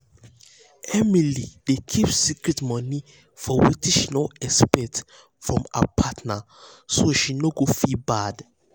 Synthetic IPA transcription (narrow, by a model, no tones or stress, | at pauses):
ɛmilidekʰipsikɹɛtmɔni | fɔwitĩʃinoɛspɛt | fɹɔ̃ma̰pʰatna | soʃinoɡofibad